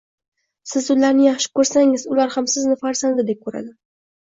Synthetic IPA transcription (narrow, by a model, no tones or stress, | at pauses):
sɪzʊd̪laɾnɪjɑχʃɪ̥kʰɵɾsaŋɪzʊlaɾhamsɪznɪfaɾzand̪ɪd̪e̞p̚kʰɵɾa̰d̪ɪ